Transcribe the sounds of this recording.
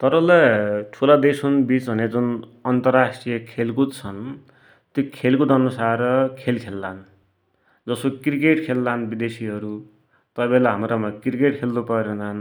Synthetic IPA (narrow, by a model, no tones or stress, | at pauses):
t̪ʌɾʌlaʈʰulad̪esunbit͡sbʱʌned͡zunʌnt̪ʌrasʈrijʌkʰelkut͡sʰʌn | t̪jokʰelkud̪ʌnusarʌkʰelkʰelːan | d͡zʌsokrikeʈkʰelːanbid̪esiɦʌɾu | t̪ʌbelaɦamɾʌmakrikeʈkʰeld̪upʌɾjonan